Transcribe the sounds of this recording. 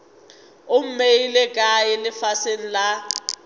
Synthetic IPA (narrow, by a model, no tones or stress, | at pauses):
ʊm̩meilɛkʼajɛlɪfasen̩la